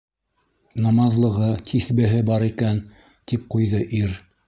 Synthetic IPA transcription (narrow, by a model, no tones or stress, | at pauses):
nɑmɑðlˠɤ̆ʁɤt̪ʰiθbɘ̆ɦɘbɑɾikæn | t̪ip̚qujðɤʔiɾ